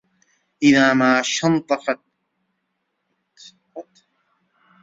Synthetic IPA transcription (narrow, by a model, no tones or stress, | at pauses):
ʔɪðaːmaːʃɑnt̪ˤɑfɑt̪̚ | t̪